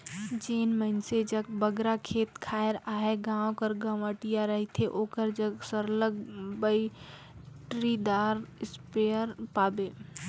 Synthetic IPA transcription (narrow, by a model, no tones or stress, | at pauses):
d͡ʒeːnmənsed͡ʒɐɡ̚bəɡɾakʰeːt̪kʰaːɪɾaːɦeɡãːõkəɾɡəʋəʈijaɾəɦit̪ʰeʔoːkəɾd͡ʒəɡsəɾləɡbəi | ʈɾid̪aːɾɪspeəɾpaːbeː